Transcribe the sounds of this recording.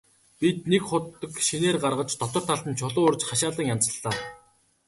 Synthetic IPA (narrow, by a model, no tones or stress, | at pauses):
pit̪nekχʊt̪ːə̆kʃineːrɢarʁə̆t͡ɕt̪ɔt̪ɞ̆r̥t̪ʰaɮt̪ə̆nt͡ɕʰʊɮʊːorʲt͡ɕχaʃaːɮə̆ŋjan̥t͡sə̆ɮːaː